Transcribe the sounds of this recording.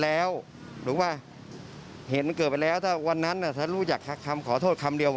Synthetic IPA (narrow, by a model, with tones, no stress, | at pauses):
lɛː˦˥w | duː˩˦maː˧˩ | he˨˩˦n̚ma˧nkɤː˨˩t̪̚pa˧jlɛː˦˥wt̪ʰaː˥˩wa˧nːa˦˥nʔa˧˩t̪ʰaː˧˥˩ɾuː˧˥˩t͡ɕa˨˩k̚t̪ʰa˦˧˩kʰa˧mkʰɔː˨˩˦t̪ʰoː˥˩t̪̚kʰa˧mdi˧əw